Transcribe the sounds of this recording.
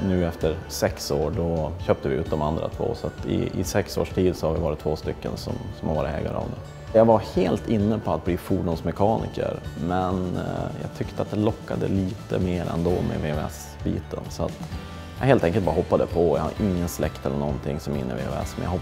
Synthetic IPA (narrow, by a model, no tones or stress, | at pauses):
nʉ̟ːɛft̪əɾsɛksoːɖɔɕøːp̚t̪əvɪʉ̟ːt̪̚d̪ɔmand̪ɾa̰t̪ʰvo̰ːsɔat̪ɪɪsɛksoːʂʈʰiːd̪sɔhaɾvɪvɑːɾɪt̪ʰvoːst̪ʏkːənsɔ̰msɔmhaɾvɑːɾɪt̪ʰɛ̰ːɡa̰ɾɑ̰vd̪ɛ | jɑɡvaheːlt̪ɪnːəpʰɔat̪̚bliːfuːɖʊnsmɛkʰɑːnɪ̰kə̰ɾmɛnjɑːɡt̪ʰʏkt̪əat̪̚d̪ɛlɔkːad̪əliːt̪əmeːɾɛ̰nd̪ɔmɛ̰veːvɛs | biːt̪ənsɔat̪ | jɑɦeːlt̪ʰɛŋkəlt̪bɑɾaɦɔpːad̪əpʰɔjahaɾʔɪŋːənslɛkt̪ɛlːəɳɔnt̪ʰɪŋːsɔmɪnːə̰vḛːvɛ̰smɛnja̰hɔ